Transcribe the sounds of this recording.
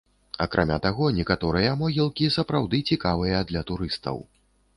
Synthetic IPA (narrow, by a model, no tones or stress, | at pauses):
ɐkɾʔamʲat̪aɣɔnʲɛkat̪ɔɾɨjɐmɔɣʲilˠkʲisɐpɾawd̪ɨt͡sʲikavɨjɐd̪lʲɐt̪uɾɨst̪ɐ̰w